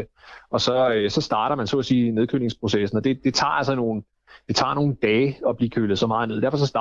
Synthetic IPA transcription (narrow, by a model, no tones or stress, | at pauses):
ɒ̽sɒ̽øsɒ̽sd̥ɑ̈ːɾɐmænso̰ːsiːne̝ð̞ˠkʰøːne̝ŋspʰʁo̝sesn̩ɒ̽d̥e̝d̥e̝t͡sʰɑ̰̈ːælsɐno̝ːn̩ | d̥e̝t͡sʰɑ̰̈ːno̝ːn̩d̥ɛːɒ̽b̥lḭːkʰøːlð̩ˠsɒ̽mɑ̈ːð̞̩ne̝ð̞̰ˠdæɐfɒ̽s̬ɒ̽sd̥ɑ